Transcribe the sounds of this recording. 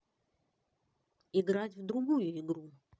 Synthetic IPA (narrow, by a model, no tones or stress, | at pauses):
ɪɡɾatʲvd̪ɾʊɡujʊɪɡɾu